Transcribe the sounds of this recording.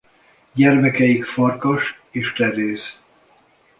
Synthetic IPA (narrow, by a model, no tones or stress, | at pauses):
ɟɛrmɛkɛjikfɒrkɒʃ | eːʃt̪ɛɾeːz